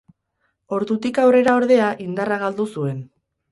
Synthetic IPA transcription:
o̞ɾðut̪ikawre̞ɾao̞ɾðe̞aʔind̪araɣald̪usue̞n

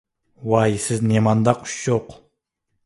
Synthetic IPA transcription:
wɑjisɪznemɑnd̪ɑqʰy̥ʃjoq

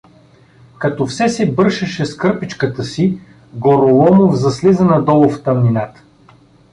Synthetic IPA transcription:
kɐt̪ɔfsɛsɛbɤɾʃɐʃɛskɤɾpit͡ʃkət̪əsi | ɡoɾolˠɔmovzɐslizənɐd̪ɔlˠoft̪ɐmninat̪ə̥

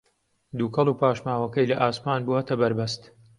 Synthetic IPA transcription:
d̪uːkʰɐlˠuːpʰaːʃmaːwɐkɐjlɐʔaːsmaːnbuɐt̪ʰɐbɐɾbɐst̪

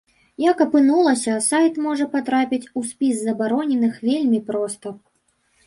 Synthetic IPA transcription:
jakɐpɨnulˠɐsʲɐsajt̪mɔʐɐpat̪ɾapʲit͡sʲuspʲizzɐbaɾɔnʲɛnɨxvʲelʲmʲipɾɔst̪ɐ

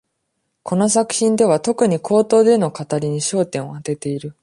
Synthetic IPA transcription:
kʰo̞no̞sakɯ̟̥çĩnd̪e̞β̞at̪o̞kɯ̟ɲ̟ikʰo̞ːt̪o̞ːd̪e̞no̞kat̪aɾʲiɲ̟iɕo̞ːt̪ẽ̞ɰ̃oat̪e̞t̪e̞iɾɯ̟

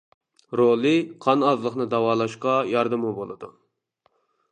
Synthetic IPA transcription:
ɾolˠɨqʰɑnɑzlˠəχnɨd̪ɑwɑːlˠɑʃqɑjɑɾd̪ɨmubolˠɨd̪ṵ

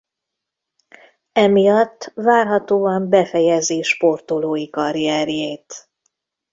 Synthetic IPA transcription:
ɛmijɒt̪ːvaːrɦɒt̪oːɒmbɛfɛjɛziːʃpo̞rt̪oloːjikɒɾiɛɾjeːt̪

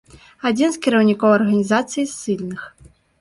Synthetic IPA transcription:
ad͡zʲinskʲiɾɐwnʲikɔwɐrɣɐnʲizat̪sɨjisɨlʲnɨx

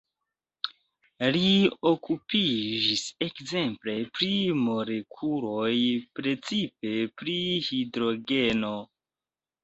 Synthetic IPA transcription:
lio̞kupid͡ʒise̞kze̞mple̞pɾimo̞ɾekʰuɾo̞jpɾe̞t͡sipe̞pɾihidɾo̞ɡe̞no̞

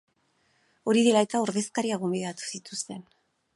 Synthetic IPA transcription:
o̞ɾiðelae̞t̪aoɾðe̞skaɾiaɣumbiðat̪u̥sit̪ust̪e̞n

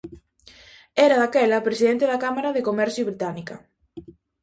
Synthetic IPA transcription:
ɛɾɐðakɛlɐpɾesiðent̪eðakamaɾɐðekomɛɾθjoβɾit̪anikɐ

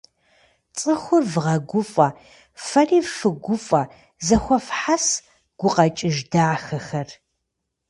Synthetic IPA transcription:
t͡sʼɨxʷʊrvʁɐɡʷʊfʼɐ | fɐriːfɨɡʷʊfʼɐ | zɐxʷɔfħas | ɡ̥ʷʊqɐt͡ʃʼɪʒdaːxɐxɐr

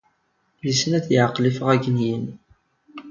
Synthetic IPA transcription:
jisənæθjəʕqːlifəʁæɡənjən

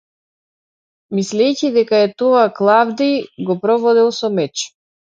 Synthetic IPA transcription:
mislɛjcid̪ɛkaɛt̪ɔaklˠavd̪iɡɔpɾɔvɔd̪ɛlˠsɔmɛt͡ʃ

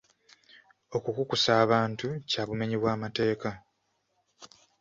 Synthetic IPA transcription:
o̞kukukusaːβaːntucaβume̞ɲiβwaːmate̞ːka

